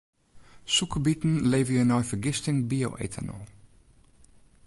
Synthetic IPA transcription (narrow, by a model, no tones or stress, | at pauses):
sukəbitn̩leːvəjənɔjfəɹɡɪstɪŋbio̰wʔḛtʰə̰nə̰lˠ